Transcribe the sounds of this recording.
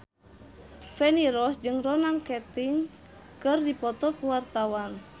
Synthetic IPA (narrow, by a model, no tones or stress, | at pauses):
fɛniɾɔsd͡ʒɨŋrɔnamkɛt̪iŋ | kɨrdipɔt̪ɔkuwart̪awan